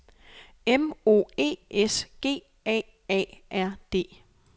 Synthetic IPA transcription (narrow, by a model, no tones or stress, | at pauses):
emo̝̰ːe̝̰ːʔesɡ̥e̝̰ː | ɛ̰ː | ɛ̰ːʔæɐ̰d̥e̝̰ː